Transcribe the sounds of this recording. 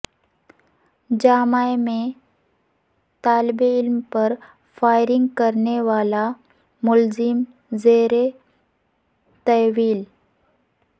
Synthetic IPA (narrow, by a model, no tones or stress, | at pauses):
d͡ʒaːmajmẽ | t̪aːlbeɪlmpəɾ | fajɾɪŋɡkəɾneʋaːla | mʊlzɪm | zeɾe | t̪əʋiːl